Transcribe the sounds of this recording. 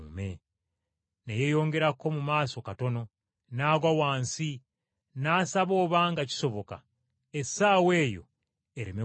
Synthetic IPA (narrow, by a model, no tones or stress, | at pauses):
mḛ | neje̞jo̞ːŋɡe̞ɾakːo̞mumaːso̞kato̞no̞ | naːɡwawaːnsi | naːsaβo̞ːβaŋɡaci̥so̞βoka̰ | esaːwe̞ːjo̞̰ | eɾime